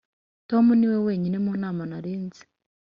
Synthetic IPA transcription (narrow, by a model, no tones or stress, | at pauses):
tomuniweweːɲinemunaːmanaɾiːnzi̥